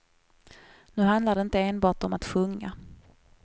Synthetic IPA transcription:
nʉ̟ːɦand̪laɖɛɪnt̪əeːnbɑːʈɔmat̪ɧɵŋːa̰

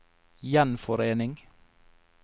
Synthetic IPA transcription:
jɛnfɔɾeːnɪŋ

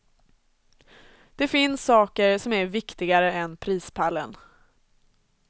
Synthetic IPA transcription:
d̪̥ɛfɪnsːɑːkəɾsɔmæɾvɪkt̪ɪɡaɾəɛnpʰɾiːspʰalːə̰n

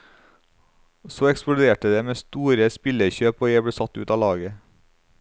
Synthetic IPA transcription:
soːɛksp̪ʊd̪eːʈəd̪eːmeːst̪uːɾəspɪləçøːpoːjæɪbleːsɑt̪ʉ̰ːt̪ɑːlɑːɡə

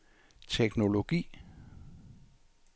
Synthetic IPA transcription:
t͡sʰeɡ̥no̝lo̝ɡ̥ḭː

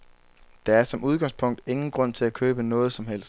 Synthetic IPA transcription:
d̥ɑ̈æɐsɒ̽muð̞ˠɡ̥ɑ̈ŋ̰spʰɔ̽ŋ̰d̥e̝ŋn̩ɡ̥ʁɔ̽n̰t͡sʰe̝lækʰøːb̥ənɔ̽ːð̞̩ˠsɒ̽mɦel̰sd̥

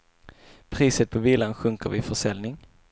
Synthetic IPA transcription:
pʰɾiːsət̪̚pʰɔviːlanɧɵŋkəɾvɪfœʂɛlnɪŋ

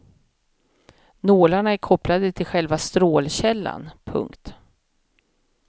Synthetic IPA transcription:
noːlaɳaæɾkʰɔplad̪ət̪ʰɪlɧɛlvast̪ɾoːlɕɛlːa̰npʰɵ̰ŋkt̪

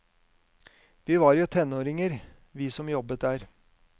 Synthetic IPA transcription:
ʋiːʋɑːɾjʊːt̪ʰɛnoːɾɪŋəɾ | ʋiːsɔmjɔbət̪̚d̪æːɾ

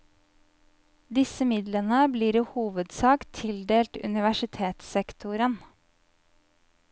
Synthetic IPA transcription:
d̪ɪsəmɪd̪lənəbliːɾiːhuːʋəd̪sɑːkt̪ʰɪld̪eːlt̪ʉ̰nɪʋæʃɪt̪ʰeːt̪sɛkt̪ʰʊɾən

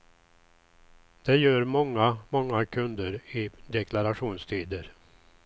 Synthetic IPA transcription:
d̪̥ɛjœːɾmɔŋːamɔŋːakʰɵnd̪əɾɪd̪ɛkʰlaɾaɧuːnst̪ʰiːd̪əɾ

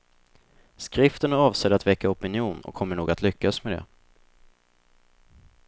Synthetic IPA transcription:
skɾɪft̪ənæɾɑːvsɛːd̪əat̪vɛkːaɔpɪnɪjuːnɔ̰kʰːɔmːəɳuːɡat̪ʰlʏkːasmɛd̪ɛ̰

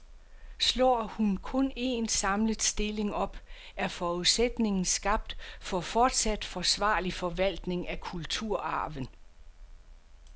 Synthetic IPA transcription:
slɒ̰ːhunkʰɔ̽ne̝nsɑ̈mləð̩ˠsd̥e̝le̝ŋɒ̽b̥ | ʔæɐfɒːuðˠsed̥ne̝ŋn̩sɡ̥ɑ̈b̥̚d̥fɒ̽fɒːd̥sæd̥fɒ̽sʋɑ̈ːlifɒ̽ʋæl̰d̥ne̝ŋækʰult͡sʰuɐ̰ɑ̰̈ːʋən

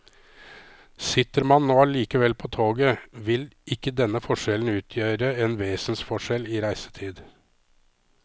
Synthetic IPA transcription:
sɪt̪əɾmɑnːoːɑliːkəʋɛlpʰɔːt̪ʰoːɡəʋɪlʔɪkːəd̪ɛnːəfɔʂɛln̩ʉːt̪ʰjøːɾəɛnʋeːsn̩sfɔʂɛliːɾæɪsə̥t̪ʰiːd̪

